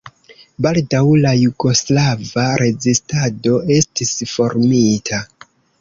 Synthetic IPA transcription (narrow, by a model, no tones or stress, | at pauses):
baldawlajuɡo̞slavaɾʔe̞zistado̞e̞stisfo̞ɾmitʰa